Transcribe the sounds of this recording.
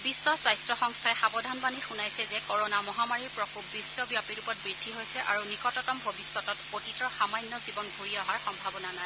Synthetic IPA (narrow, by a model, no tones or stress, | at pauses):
bisːɔswajstɹɔxɔŋstʰaɛxabɔdʱanbanixunajsɛzɛkɔɹɔnamɔɦamaɹiɹpɹɔkup̚bisːɔbjapiɹupɔt̚bɹidʱiɦojsɛʔa̰ɹunikɔtɔtɔmbʱobisːɔtɔtpotitɹɔxamajnːɔzibɔnɡʱuɹijɔɦaɹxɔmbʱabɔnanaj